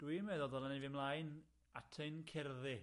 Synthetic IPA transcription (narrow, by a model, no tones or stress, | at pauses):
d̥wimɛðɔdɔlˠanvɪmlˠajn | atʰəɨnkʰɛrðɪ